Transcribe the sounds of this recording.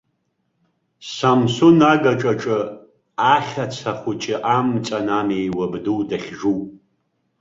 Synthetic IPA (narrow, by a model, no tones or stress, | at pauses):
samsunaɡaʈ͡ʂʼaʈ͡ʂʼɨ | aχʲat͡sʰaχʷʊt͡ʃʼɪʔamt͡sʼanamejwabduwdaχʲʐuwʼ